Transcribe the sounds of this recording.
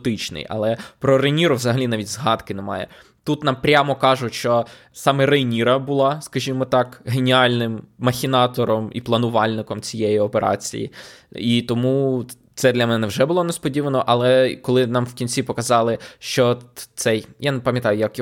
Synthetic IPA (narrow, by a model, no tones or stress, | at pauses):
t̪ɪt͡ʃnɪ̰jʔɐ̰lˠɛpɾɔɾejnʲiɾʊʋzɐɦɐlʲinɑʋʲitʲzɦɑd̪kɪnɛmɑ̰jɛ̰ | t̪ut̪nɑmpɾʲamɔkɑʒʊʃt͡ʃɔ | sɑmɛɾejnʲiɾɐbʊlˠɑskɐʒʲimɔt̪ɑkɦenʲiɑlʲnɪmːɐxʲinɑt̪ɔɾɔmḭplˠɐnʊʋɑlʲnɪkɔmt͡sʲijɛjiɔpeɾɑ̰t͡sʲḭjḭit̪ɔmu | t̪sɛd̪lʲɐmɛnɛnɛwʒɛbʊlˠɔnespɔdʲiʋɐnɔʔɐlˠɛkɔlˠɪnɑmwkʲinʲt͡sʲipɔkɐzɑlˠɪʃt͡ʃɔt̪sɛjjanepɐmjɐt̪ɑjʊjɐk